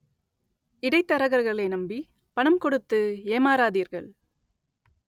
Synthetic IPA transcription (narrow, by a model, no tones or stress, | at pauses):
ɪɽɐɪt̪ːɐɾɐɣɐɾɣɐɭɐɪnɐmbi | pɐɳɐmkɔɽɯt̪ːɯeːmaːɾaːðiːɾɣɐɭ